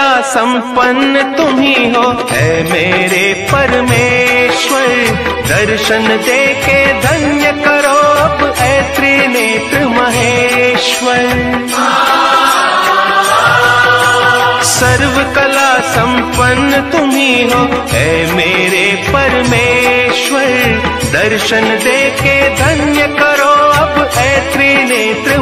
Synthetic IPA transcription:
aːsɐ̃mpɐnːət̪ʊmiːɦoː | eːmeːɾepɐɾmeːʃʋɐɾd̪ɐɾʃənd̪eːkeːd̪ʱɐnjəkɐɾoːɐpeːt̪ɾineːt̪ɾɨmɐɦeːʃʋɐɾ | sɐɾʋɐkɐlaːsɐmpɐnːət̪umiːɦoeːmeːɾepɐɾmeːʃʋɐɾ | d̪ɐɾʃɐnd̪eːked̪ʱɐnjɐkɐɾoːɐbeːt̪ɾineːt̪ɾɨ

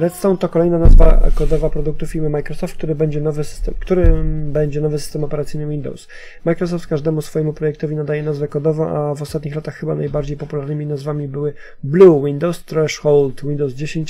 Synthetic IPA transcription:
ɾɛt̪st̪ɔ̃wnt̪ɔkɔlɛjnanazva̰kɔd̪ɔvapɾɔd̪uk̚t̪ufʲiɾmɘmajkɾɔsɔft̪̚k̚t̪uɾɘbɛɲd͡ʑɛnɔvɘsɘ̥st̪ɛmkt̪uɾɘbɛɲd͡ʑɛnɔvɘsɘ̥st̪ɛmɔpɛɾat̪sɘjnɘwind̪ɔ̰ws | majkɾɔs̬ɔft̪kaʐd̪ɛmusfɔjɛmupɾɔjɛk̚t̪ɔvʲinad̪ajɛnazvɛkɔd̪ɔvɔʔavɔst̪at̪̚ɲixlat̪axːɘbanajbaɾd͡ʑejpɔpulaɾnɘmʲinazvamʲibɘwɘ | bluwind̪ɔwst̪ːɾɛʂxɔwlt̪wind̪ɔwzd͡ʑeɕeɲt͡ɕ

